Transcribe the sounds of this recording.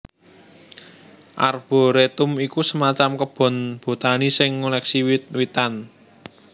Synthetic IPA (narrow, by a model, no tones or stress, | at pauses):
ʔa̰rb̥ɔ̤ɾet̪ʊmikusəmat͡ʃamkəb̥ɔ̤nb̥o̤t̪anisɪŋːulɛksiwit̪̚wit̪an